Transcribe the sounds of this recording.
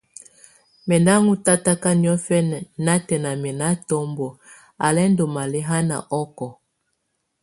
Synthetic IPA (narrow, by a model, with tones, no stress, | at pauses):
mɛ˨na˦ŋu˦ta˦ta˦ka˦ni˦ɔ˦fɛ˦n˨na˦tɛ˨na˨mɛ˨na˦tɔ˦mbo˨ | a˨lɛ˦ndo˨ma˨le˦ɦa˦na̰˨ʔɔ˦kɔ˨